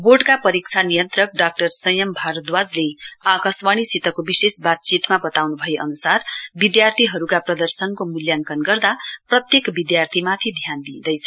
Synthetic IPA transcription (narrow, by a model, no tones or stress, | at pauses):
boɖkapʌɾikt͡sʰanijʌnt̪rʌk̚ɖak̚ʈʌrsʌjʌmbʱaɾʌt̪wad͡zleakaswaɽ̃isit̪ʌkobisesbat̪̚t͡sit̪mabʌt̪awnubʱʌeʔʌnusarbid̪jart̪ʰiɦʌɾukaprʌd̪ʌrsʌnkomuljaŋkʌnɡʌrd̪aprʌt̪jekbid̪jart̪ʰimat̪ʰid̪ʱjand̪id̪ʌjt͡sʰʌ